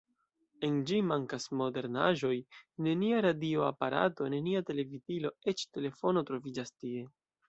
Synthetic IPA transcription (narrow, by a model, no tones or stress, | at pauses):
e̞nd͡ʒimaŋkasmo̞de̞ɾna̰ʒo̞jne̞niaɾadio̞apaɾa̰to̞neniate̞le̞vidilo̞e̞t͡ʃte̞le̞fo̞no̞tɾo̞vid͡ʒastie̞